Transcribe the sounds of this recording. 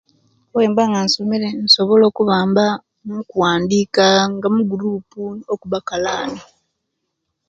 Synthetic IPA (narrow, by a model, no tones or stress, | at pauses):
weːmbaŋɡansomeɾenso̞βo̞lo̞ːkuβaːmba | mukuwaːndiːkaŋɡamuɡuɾuːpuokuβakalaːni